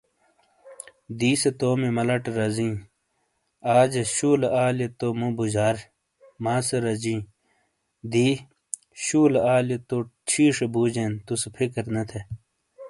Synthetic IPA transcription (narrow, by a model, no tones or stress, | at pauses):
d̪iːset̪oːmemɐlɐʈɾɐzĩː | aːd͡ʑeɕuːlaːlet̪omũbud͡ʑaːɾ | maːseɾɐd͡ʑĩː | d̪iː | ɕuːlaːlet̪ot͡ɕʰiːʂebuːd͡ʑent̪usepʰikɐɾnɐt̪ʰe